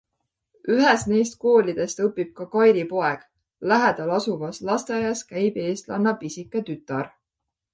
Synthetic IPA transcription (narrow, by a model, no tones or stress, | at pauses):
yɦesne̞jst̪̚ko̞ːlid̪̥e̞st̪ɤpːib̥̚kɑkɑjɾipo̞e̞ɡ̥ | læɦed̪̥ɑlɑsuvɑslɑst̪eɑjɑskæjb̥e̞ːst̪lɑnːɑpisʲikːˑɑt̪yt̪ːˑɑɾ